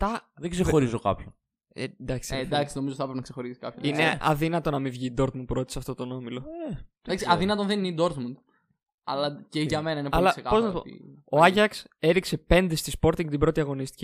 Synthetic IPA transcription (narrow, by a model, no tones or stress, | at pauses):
t̪ɐðeɡsexo̞ɾizo̞kɐ̰pçon | end̪ɐksid̪ɐksinomizot̪iθɐpɾpenɐkse̞xo̞ɾisi̥kɐ̰pçoineɐ̰ðinɐt̪o̞nɐmivʝiːd̪o̞ɾt̪mund̪puɾo̞t̪i̥sɐft̪o̞t̪o̞no̞milo̞ed̪ɐksiɐðinɐt̪onðeninid̪o̞ɾt̪mund̪ | ɐ̰lɐceʝɐme̞nɐineɐollɐsekɐpo̞znɐpoḭoɐʝɐkse̞ɾikse̞pe̞nd̪e̞st̪ispo̞ɾt̪iŋɡt̪ibɾo̞t̪iɐɣo̞nist̪i̥ci